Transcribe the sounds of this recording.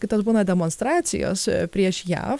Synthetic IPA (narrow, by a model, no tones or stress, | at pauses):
kɐɪt̪ɐsbuːnɐd̪ʲɛmoːnst̪ɾɑːt̪sʲɪ̰jo̰ːspʲɾʲiɛʃjæ̰ːf